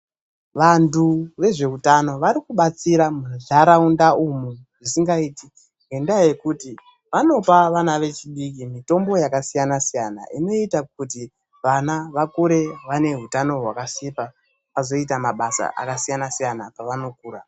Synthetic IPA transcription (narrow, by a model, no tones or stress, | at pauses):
ʋantuʋe̞ʐe̞utano̞ʋaɾikuɓat͡siɾamunɮaɾaundaumuʐisiŋɡaiːti | ŋɡendaje̞kuti | ʋano̞paʋanaʋe̞t͡ʃiɗik̬imito̞mbo̞jakasijanasijana̰ino̞itak̚ut̬i | ʋanaʋakuɾe̞ʋane̞ɦutano̞ɦwakasipa | pazo̞it̬amaɓasa̰ʔa̰kasijanasijanapaʋano̞kuːɾa